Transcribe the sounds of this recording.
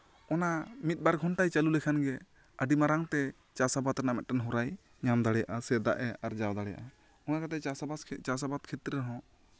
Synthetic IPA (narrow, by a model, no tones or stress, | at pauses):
ɔnamit̪̚ˀbaɾɡʱɔnʈajt͡ʃalulɛkʰanɡɛ | əɖimaɾaŋt̪ɛ | t͡ʃasabat̪ɾɛnamɛt̪̚ʈanɦɔɾaj | ɲamd̪aɽɛja̰ʔasɛd̪a̰ʔɛaɾd͡ʒawd̪aɽɛja̰ʔa | ɔnakat̪ɛasabat͡ʃasabat̪̚kʰɛt̪ɾɛɾɦɔ̃